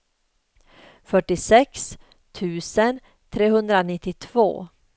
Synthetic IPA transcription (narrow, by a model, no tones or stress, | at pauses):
fœʈːɪsɛks | t̪ʰʉ̟ːsən | t̪ʰɾeːɦɵnd̪ɾanɪt̪ːɪt̪ʰvo̰ː